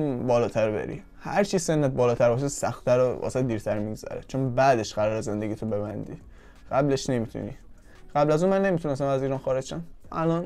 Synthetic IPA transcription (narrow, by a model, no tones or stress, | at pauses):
bɒːlɒːt̪ʰæɾbḛɾḭ | hæ̰ɾt͡ʃʰise̞nːæt̪̚bɒːlɒːt̪ʰæɾbɒːʃ̬esæ̰xt̪ʰæɾoɒ̰ːseed̪iːɾt̪ʰæɾmiɡzæ̰ɾḛt͡ʃʰonbæːd̪e̞ʃɢæɾɒːɾeze̞nd̪e̞ɡiːt̪ʰobe̞bænd̪ḭː | ɢ̥æble̞ʃne̞miːt̪ʰṵnḭː | ɢ̥æblæzũːnmænːe̞mit̪ʰunes̬æmæziːɾɒːnxɒːɾed͡ʒʃænʔæ̰lɒn